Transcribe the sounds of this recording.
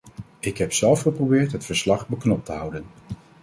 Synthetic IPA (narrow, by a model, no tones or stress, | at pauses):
ɪkɦɛpsɛlˠfχəprowbɪːɹtɦətfəɹslɑχbəknɔp̚təɦʌwdən